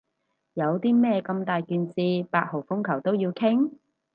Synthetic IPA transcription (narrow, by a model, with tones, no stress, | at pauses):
jɐ˨˧wt̪iː˥mɛː˥˧kɐ˧mt̪aː˨jkyː˨˧nt͡siː˧paː˧t̚ho˨˩wfʊ˥ŋkʰɐ˨˩wt̪o˥wjiː˧wkʰɪ˥ŋ